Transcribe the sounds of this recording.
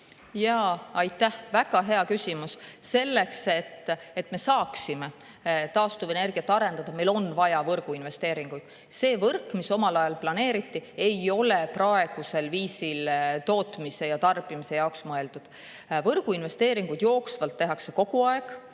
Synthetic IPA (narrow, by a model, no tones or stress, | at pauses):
jɑːɑjt̪ˑːæhvæɡ̥ɑɦe̞ɑkysimusse̞lːe̞kse̞t̪ːet̪ːme̞sɑːksime | t̪ɑːst̪uve̞ne̞rɡ̥iɑt̪ːˑɑɾe̞nd̪ɑd̪̥ɑmejlo̞nvɑjɑvɤrɡ̥uinve̞st̪e̞ːɾiŋɡ̥ujd̪̥ | se̞ːvɤrkːˑmiso̞mɑlɑjɑlplɑne̞ːɾit̪ːie̞jo̞le̞prɑe̞ɡ̥use̞lviːsilt̪o̞ːt̪mise̞jɑt̪ɑrb̥imise̞jɑoksmɤe̞ld̪ud̪̥ | vɤrɡ̥uinve̞st̪e̞ːɾiŋɡ̥ujd̪̥jo̞ːksvɑlt̪ːe̞ɦɑkse̞ko̞ɡ̥uɑe̞ɡ̥